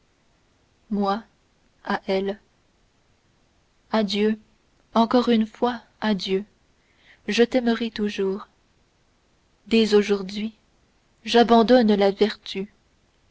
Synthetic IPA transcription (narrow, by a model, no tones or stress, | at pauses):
mwa | aʔɛl | ad̪jø | ɑ̃kɔʁynfwa | ad̪jø | ʒət̪ɛməʁɛt̪uʒuːʁ | d̪ɛzoʒuʁd̪ɥi | ʒabɑ̃d̪ɔnlavɛʁt̪y